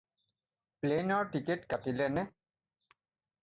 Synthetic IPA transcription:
plenɔɹtiketkatilɛnɛ

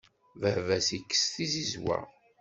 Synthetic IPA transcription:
vəvæsikːə̥sθizizwæ̰

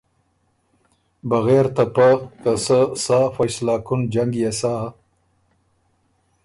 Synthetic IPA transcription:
baɣeɾt̪apakasəsafajslɑːkʊnd͡ʒaŋɡjasa

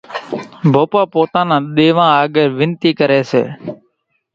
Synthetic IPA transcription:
bʱoːpaːpoːt̪ãːnãːɗ̪eːʋãːaːɡəɾʋɪnt̪iːkəɾeːsḛː

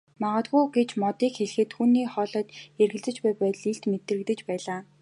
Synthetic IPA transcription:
maʁə̆t̪ʁujɡet͡ɕmɔt̪iːkxeɮ̆xɘ̆t̪xuːniːχɔːɮɔːt̪erɣɘ̆ɮt͡sɘ̆t͡ɕpæːpæːt̪̆ɮiɬt̪met̪ɘ̆rɘ̆kt̪ɘ̆t͡ɕpæːɮaː

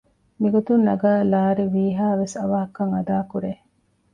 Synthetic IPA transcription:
miɡot̪unːɐɡaːlaːɾiʋiːɦaːʋesɐʋɐɦɐkɐŋɐd̪aːkuɾe

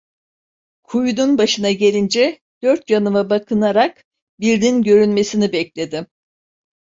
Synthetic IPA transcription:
kʰujud̪unbaʃɯnaɟe̞lʲind͡ʒɛ | d̪̥øɾt̪janɯmabakʰɯnaɾak | biɾd̪inɟø̞ɾynme̞sinibɛclʲe̞d̪ɪ

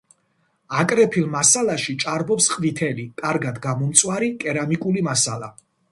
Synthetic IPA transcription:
akʼɾɛpʰilˠmasalˠaʃit͡ʃʼaɾbɔpsqʼvit̪ʰɛlikʼaɾɡad̪ɡamɔmt̪sʼwaɾikʼɛɾamikʼulimasala̰

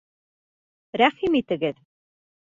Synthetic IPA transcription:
ɾæχimit̪ɘ̆ɡɘð

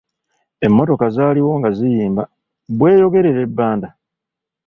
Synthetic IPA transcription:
e̞mːo̞to̞kazaːliwo̞ːŋɡazijiːmba | βwe̞ːjo̞ɡe̞ɾe̞ɾe̞bːaːnda

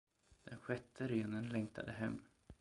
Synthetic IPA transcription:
d̪̥ɛnɧɛt̪ʰːəɾeːnənlɛŋt̪ʰa̰d̪əɦɛmː

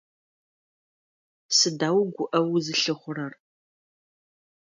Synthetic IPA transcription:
sɨdaːwɡʷʊʔɐwzɨɬɨχʷʊɾɐr

